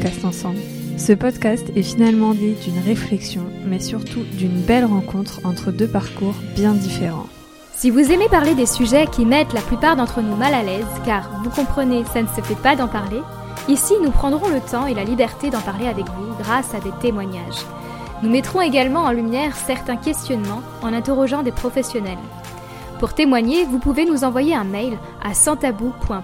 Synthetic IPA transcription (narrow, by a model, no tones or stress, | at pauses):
kast̪ɑ̃sɑ̃bl | səpɔd̪kʲast̪ɛfinalmɑ̃d̪id̪ynʁeflɛksjɔ̃mɛsyʁt̪ud̪ynbɛlʁɑ̃kɔ̃t̪χɑ̃t̪χəd̪øpaʁkuʁbjɛ̃d̪ifeʁɑ̰̃ | sivuzemepaʁled̪esyʒɛkʲimɛt̪laplypaʁd̪ɑ̃t̪χənumalalɛzkaʁvukɔ̃pχənesanəsəfɛpad̪ɑ̃paʁle | isinupχɑ̃d̪ʁɔ̃lət̪ɑ̃elalibɛʁt̪ed̪ɑ̃paʁleavɛkvuɡʁasad̪et̪emwaɲaʒ | numɛt̪χɔ̃eɡalmɑ̃ɑ̃lymjɛʁsɛʁt̪ɛ̃kʲɛst̪jɔnmɑ̃ | ɑ̃nɛ̃t̪eʁɔʒɑ̃d̪epχɔfɛsjɔnɛl | puʁt̪emwaɲevupuvenuzɑ̃vwajeɛ̃mɛjl | a̰sɑ̃t̪abupwɛ̃